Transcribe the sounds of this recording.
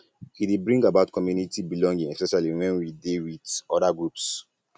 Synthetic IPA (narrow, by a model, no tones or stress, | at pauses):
hidebɹĩŋɡabaʊtkʰɔmjunitibilɔ̃ŋɡĩŋɛspɛʃaliwɛ̃nwidewidɔdaɡɹups